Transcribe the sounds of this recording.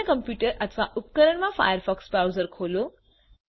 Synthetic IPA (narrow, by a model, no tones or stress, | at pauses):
əkəmpjuːʈəɾʔət̪ʰʋaʔup̚kəɾəɳ̃mãfa̰jəɾfɔksbawzəɾkʰoːlo